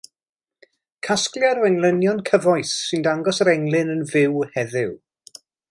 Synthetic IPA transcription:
kʰasklˠjaɾɔɛŋlˠənjɔnkʰəvɔɨsːɨndaŋɡɔsəɾɛŋlˠɪnənvɪwhɛðɪw

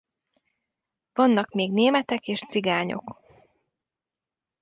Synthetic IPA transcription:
vɒnːɒkmeːɡneːmɛt̪ɛkeːʃt̪siɡaːɲo̞̰k

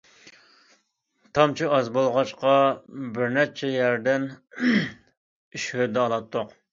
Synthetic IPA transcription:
t̪ʰɑmt͡ʃʰiɑzbolˠʁɑt͡ʃqʰɑbɪɾnɛt͡ʃʰɛjæɾd̪ɛn | iʃhød̪ɛɑlˠɑt̪ʰːoq

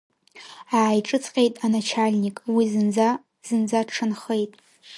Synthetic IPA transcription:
aːjʈ͡ʂʼɨt͡sʰʼqʲʼe̞jtʼanat͡ʃʰalʲnikʼwizɨd͡z | z̥ɨnd͡zaʈ͡ʂʰɨnχejtʼ

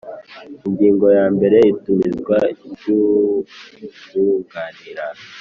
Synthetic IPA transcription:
iŋɡiːŋɡo̞jaːmbe̞ɾe̞itumizɡwaibɟu | uŋɡaniɾa

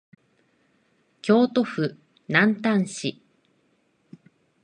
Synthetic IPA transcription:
kʲo̞ːt̪o̞ɸɯ̟ | nãnt̪ãɰ̃ɕi

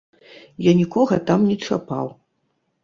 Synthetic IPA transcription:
janʲikɔɣɐt̪amnʲit͡ʂapa̰w

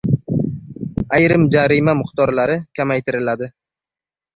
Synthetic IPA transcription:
ajɾɪmd͡ʒaɾimamʊχt̪ɒɾlaɾɪkʲʰamajt̪ʰɪɾɪlad̪ɪ

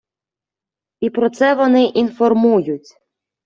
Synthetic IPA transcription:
ipɾɔt̪sɛʋɔnɪʔinfɔrmujʊtʲ

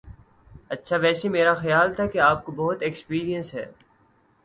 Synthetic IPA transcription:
ɐtːʃʰaʋɛːsemeːɾaxɐjaːlt̪ʰakeaːp̚kobɔɦʊt̪ekspiːɾijə̃nsɦɛ̰ː

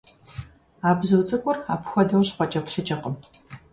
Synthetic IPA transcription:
aːbzɨwt͡sʼɐkʷʼʊraːpxʷɔdɐmɕqʷɔt͡ʃʼɐpɬɨt͡ʃʼɐqəm

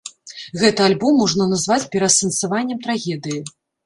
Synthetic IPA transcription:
ɣɛt̪ɨalʲbɔmːɔʐnɐnazvat͡sʲpʲɛɾɐsɐnt̪savanʲːɛmt̪ɾaɣʲɛd̪ɨji

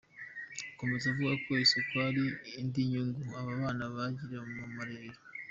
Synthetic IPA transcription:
uko̞me̞zavuɡakwe̞ːse̞kwaɾiːndiɲuŋɡuaβaβaːnaβaɟiɾemumaɾeːɾe

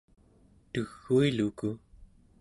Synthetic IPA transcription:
t̪ɨɣːuiluku

